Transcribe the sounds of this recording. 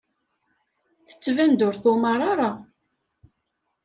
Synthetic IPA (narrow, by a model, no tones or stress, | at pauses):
θə̥t͡sːvænd̪ʊɾθʊmɑɾˤaɾˤa